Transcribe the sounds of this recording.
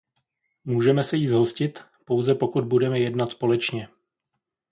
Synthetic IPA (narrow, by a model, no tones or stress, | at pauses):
muːʒɛmɛsɛjiːzɦoscɪt̪ | po̞wzɛpo̞kud̪̚budɛmɛjɛdnat̪spo̞lɛt͡ʃɲɛ